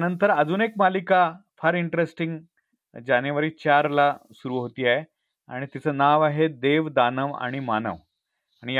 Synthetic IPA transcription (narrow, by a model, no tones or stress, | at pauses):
t̪nənt̪əɾəd͡zuːnekmalikafʰəɾiɳʈɾesʈiŋɡ | d͡ʑanjeʋəɾiːt͡ɕaɾlasuɾuːɦot̪iːaɦe | a̰ɽ̃it̪it͡sʰəːnaʋaɦed̪eʋd̪anəʋa̰ɽ̃imanə̰ʋ | aɽ̃ij